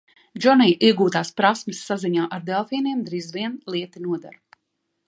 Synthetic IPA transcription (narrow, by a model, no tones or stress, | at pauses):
d͡ʒɔnijʔiɛɡuːt̪aːspɾasmɪsːaziɲaːʔaɾd̪ɛlˠfiːniɛmd̪ɾiːzviɛnlˠiɛt̪inuɔd̪a̰ɾ